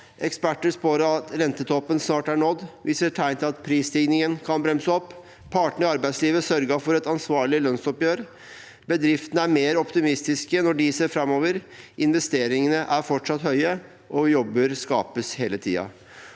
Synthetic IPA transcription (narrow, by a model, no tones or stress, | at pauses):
ʔɛkspæʈːəspoːɾəɑt̪ɾɛnt̪ət̪ʰɔpːənsnɑːʈæɳɔd̪ʋɪseːʈʰæɪnt̪ʰɪlɑt̪pʰɾiːst̪ɪɡnɪŋənkʰɑnbɾɛmsəɔpː | pʰːɑːʈəɳ̩ɪɑɾbæɪsliːʋəsœɾɡəɑfɔɾɛt̪ɑnsʋɑːɭɪlœnsɔpjøːɾ | bəd̪ɾɪft̪ənəæɾmeːɾɔpt̪ɪmɪst̪ɪskənɔɖɪseːɾfɾɑmoːʋəɾɪnʋɛst̪eːɾɪŋənəʔæɾfɔʈʂɑt̪hœʏə | ʔɔjɔbːəɾskɑ̰ːpəsheːlət̪ʰḭːɑ̰